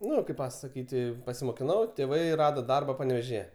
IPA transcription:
ˈnʊ kɐɪp pɐsɐˈkʲiːtʲ pɐsʲɪmoːkʲɪˈnɐʊ tʲeːˈʋɐɪ ˈrɑːdoː ˈdɐrbɐ pɐnʲɛʋʲeːʒʲɪˈjɛ

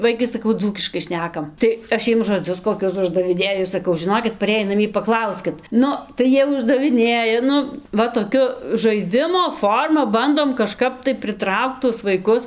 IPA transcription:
ˈʋɐɪkɐɪ sɐˈkɐʊ ˈd͡zuːkʲɪʃkɐɪ ˈʃʲnʲæːkɐm tɐɪ ˈɐʃ ˈjiɛm ʒoːˈd͡zʲʊs koːˈkʲʊs ʊʒdɐʋʲɪˈnʲeːjʊ sɐˈkɐʊ ʒʲɪˈnoːkʲɪt pɐˈrʲeːjiː nɐˈmʲiɛ pɐˈklˠɐʊsʲkʲɪt ˈnʊ tɐɪ ˈjiɛ ʊʒdɐʋʲɪˈnʲeːjɛ ˈnʊ ˈʋɐ toːˈkʲʊ ʒɐɪˈdʲɪmoː ˈfoːrmɐ ˈbɐndoːm kɐˈʃkɐp tɐɪ pʲrʲɪˈtrɐʊkt tuɔs ʋɐɪˈkʊs

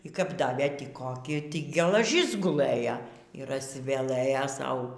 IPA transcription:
iː ˈkɐp ˈdɑːʋʲeː ˈtʲiː koːˈkʲɪ tʲiː ɡʲɛlˠɐˈʒʲɪs ɡʊˈlˠɘjɛ iːˈr ɐʃʲsʲɪʋʲɛˈlˠɘjɛ ˈsɐʊ

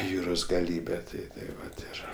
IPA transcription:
ˈjuːroːs ɡɐˈlʲiːbʲɛ ˈtɐɪ tɐɪ ˈʋɐt ˈɪr

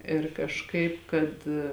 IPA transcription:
ɪr kɐʃˈkɐɪp kɐt

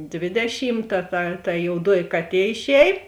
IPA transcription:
ˈdʲʋʲeːdʲɛʃʲiːmˌtɐ tɐ tɐ joːʊˈduɔjɪ ˈkɑːˌtʲiɛ ɪʃʲˈɛːj

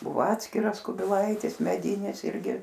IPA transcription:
ˈbʊʋoː ˈɑːtʲsʲkʲɪrɐs kʊbʲɪˈlˠɐɪtʲɪs mʲɛˈdʲiːnʲɪs ˈɪrʲɡʲɪ

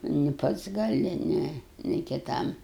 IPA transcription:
nʲɪ ˈpɐts ɡɐˈlʲɪ ˈnʲɛ nʲɪ kʲɪˈtɐm

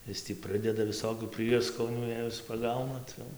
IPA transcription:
ˈɪs tʲiː ˈprɨdʲɛdɐ ʋʲɪˈsoːkʲuː ˈpʲrʲiɛskoːnʲuː ˈjɛɪ ɪs pɐˈɡɐʊnɐ ˈt͡sʲɛ jɛʊ

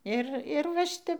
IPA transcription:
ˈɪr ɪr ʋɐ ˈʃʲɪtʲɛp

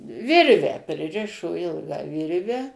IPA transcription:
ˈʋʲɪrʲʋʲæː pʲrʲɪˈrʲɪʃoː ˈɪlˠɡɑː ˈʋʲɪrʲʋʲɛ

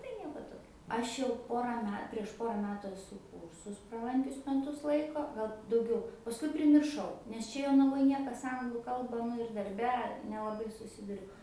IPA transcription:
tɐɪ ˈnʲiɛkoː ˈtoːkʲoː ˈɐʃ jɛʊ ˈpoːrɐ ˈmʲɛ pʲrʲiɛʃ ˈpoːrɐ ˈmʲæːtʊ ɛˈsʊ ˈkuːrsʊs prɐˈlˠɐŋʲkʲʊs mʲɛˈtʊs ˈlˠɐɪkoː ˈɡɐlˠ dɐʊˈɡʲɛʊ pɐsˈkʊɪ pʲrʲɪmʲɪrˈʃɐʊ nʲɛs ˈt͡ʃʲɛ joːnɐˈʋoːj ˈnʲiɛkɐs ˈɐŋɡlˠuː ˈkɐlˠbɐ nʊ ɪr dɐrʲˈbʲɛ nʲɛlˠɐˈbɐɪ sʊˈsʲɪdʊrʲʊ

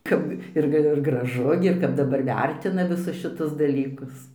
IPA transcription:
ˈkɐp ˈɪr ɡə ˈɡrɑːʒʊ ɡʲɪ ɪr ˈkɐp dɐˈbɐr ˈʋʲɛrʲtʲɪnɐ ʋʲɪˈsʊs ʃʲɪˈtʊs dɐˈlʲiːkʊs

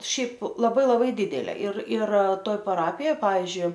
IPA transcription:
ˈʃʲɛɪp lˠɐˈbɐɪ lˠɐˈbɐɪ ˈdʲɪdʲɛlʲeː ɪr ɪr ˈtoːj pɐˈrɑːpʲɪjoːj ˈpɑːʋʲɪzʲd͡ʒʲʊɪ

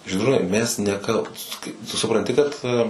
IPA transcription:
ʒʲiːdˈruːnɐɪ ˈmʲɛs nʲɛˈkɐlˠbuːs tʊ sʊprɐnʲˈtʲɪ kɐt

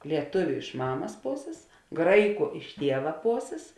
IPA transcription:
lʲiɛˈtʊʋʲʊ ɪʃ ˈmɑːmɐs ˈpoːsʲeːs ˈɡrɐɪˌkʊ ɪʃ ˈtʲiɛʋɐ ˈpoːsʲeːs

